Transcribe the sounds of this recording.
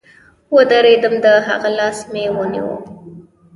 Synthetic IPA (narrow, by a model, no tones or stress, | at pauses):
wəd̪əɾed̪əmd̪əɦa̰ɣalɑsmewənḭwə̰m